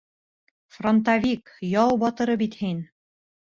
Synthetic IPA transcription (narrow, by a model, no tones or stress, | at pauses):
front̪avʲikjɑlˠbɒt̪ɤ̆ɾɤbit̪hin